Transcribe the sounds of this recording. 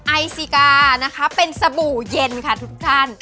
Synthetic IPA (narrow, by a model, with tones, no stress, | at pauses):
ʔa˧jsi˧˩kaː˧na˦˥kʰa˦˥pe˧nsa˧buː˨˩je˧nkʰa˥˩t̪ʰu˦˥k̚t̪ʰa˥˩n